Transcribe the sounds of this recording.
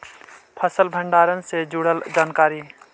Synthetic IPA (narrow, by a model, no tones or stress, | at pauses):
pʰəsəlbʱəɳɖaːɾənsed͡ʒuɽəld͡ʒaːnkaːɾi